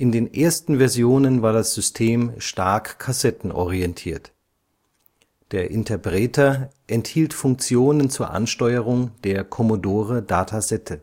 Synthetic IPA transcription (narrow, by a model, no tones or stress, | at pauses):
ʔɪndeːnʔeːɐstn̩vɛɐzjoːnənvaːɐdasz̥ʏstʰeːmʃtaɐkkʰːasɛtn̩ʔɔ̰ʁ̞iɛntʰiːɐt | d̥eːɐʔɪntʰɐpʁ̥ɛːtʰɐ | ʔɛnthiːltfʊŋk̚t͡sjoːnənt͡suːɐʔa̰nʃtɔʏəʁ̞ʊŋd̥eːɐkʰɔmodoːʁ̞ədaːtʰazɛtʰə